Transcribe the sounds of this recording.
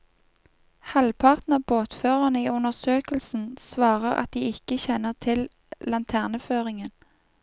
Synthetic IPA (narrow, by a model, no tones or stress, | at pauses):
hɑlpʰɑʁt̪nəboːt̪føːʁɑnəiːʉnəsøːkəlsn̩sʋɑːʁəʁɑ̰t̪̚d̪iːɪkəçɛnəʁt̪ʰɪl | lɑnt̪ʰæːʁnəføːʁɪŋən